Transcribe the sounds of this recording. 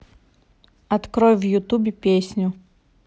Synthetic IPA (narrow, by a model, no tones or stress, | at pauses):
ɐt̪kɾɔjvjʊt̪ubʲɪpʲesʲnʲʊ